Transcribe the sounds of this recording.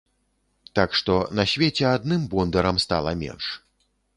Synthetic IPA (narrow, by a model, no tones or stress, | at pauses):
t̪akʂt̪ɔnɐsʲvʲet͡sʲɛad̪nɨmbɔnd̪ɐɾɐmst̪a̰lˠɐmʲɛ̰nʂ